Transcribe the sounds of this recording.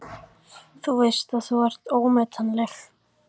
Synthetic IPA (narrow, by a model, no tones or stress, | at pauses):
θuvɪr̥st̪aðθɔvɛr̥t̪oːwmɛt̪ʰanlɛx